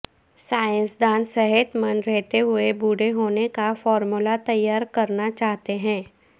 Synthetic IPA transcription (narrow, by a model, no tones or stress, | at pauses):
saːjə̃nsd̪aːnsɛɦət̪mɐnɾɛɦt̪eɦʊebuːɽeɦoːnekafɔːɾmulat̪ɐjːaːɾkɐɾnat͡ʃaːɦt̪eɦɛ̃ː